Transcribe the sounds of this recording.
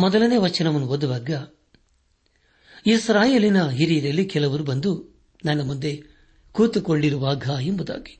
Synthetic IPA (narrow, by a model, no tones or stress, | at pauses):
mɔd̪ɐlɐneːʋɐt͡ʃɐnɐʋɐnːuɦod̪uʋaːɡɐ | isɾaːjeːlinɐɦiɾiːɾɐlːikɛlɐʋɐɾubɐnd̪u | nɐnːɐmund̪e̞ | kuːt̪ukoɭɖiɾuʋaːɡʱaembud̪a̰ːɡi̥